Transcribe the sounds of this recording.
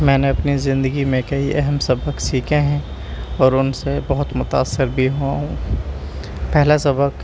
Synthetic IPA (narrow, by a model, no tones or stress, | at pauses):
mɛ̃ːneɐpnizɪ̃nd̪əɡimẽkɐiʔɛɦɛmsɐbəksiːkʰeɦɛ̃ | ɔːɾʊnsebɐɦʊt̪mʊt̪aːsːɪɾbʱiɦoaɦũ | pɛɦlasɐbək